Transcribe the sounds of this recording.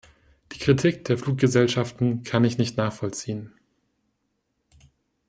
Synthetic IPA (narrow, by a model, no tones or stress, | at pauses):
d̥iːkʁ̥itʰiːkd̥eːɐfluːk̚ɡ̥əzɛlʃaftn̩kʰanɪçnɪçtnaːχfɔlt͡siːən